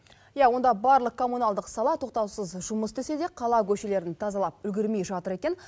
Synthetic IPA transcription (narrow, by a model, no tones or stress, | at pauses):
jɑwo̞nd̪ɑbɑɾlˠəq̚kʰo̞munɑlˠd̪əqsɑlˠɑt̪ʰo̞q̚t̪ɑwsəzʒʊməsd̪ese̞d̪e̞qʰɑlˠɑkʲʰɵʃe̞le̞ɾɪnt̪ʰɑzɑlˠɑp̚ʏlɡʲɪɾme̞jʒɑt̪əɾe̞kʲe̞n